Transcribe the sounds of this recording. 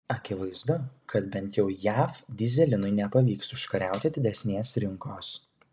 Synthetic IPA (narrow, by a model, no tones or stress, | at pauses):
ɐkʲɪʋɐɪzd̪ʊkʰɐt̪bʲɛnʲˑt̪jɛʊjæːfd̪ʲɪzʲɛlʲɪnʊɪnʲɛpɐʋʲiːksʊʃkɐɾʲæˑʊt̪ʲɪd̪ʲɪd̪ʲɛsʲnʲeːsɾʲɪŋkoːs